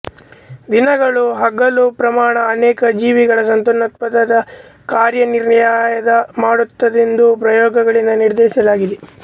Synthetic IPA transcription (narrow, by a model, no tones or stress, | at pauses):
d̪inɐɡɐɭuɦɐɡɐlupɾɐmaːɳɐːnɛːkɐd͡ʒiːʋiɡɐɭɐsɐnt̪onɐt̪̚pɐt̪ːɐd̪ɐ | kaːɾjɐniɾjaːjɐd̪ɐmaːɽut̪ːɐd̪end̪upɾɐjɔːɡɐɡɐɭind̪ɐniɾd̪ɛːsɐlaːɡid̪e